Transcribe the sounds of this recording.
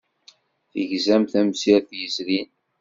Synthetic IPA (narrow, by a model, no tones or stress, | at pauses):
θəʝzæmθæmsiɾθjəzɾin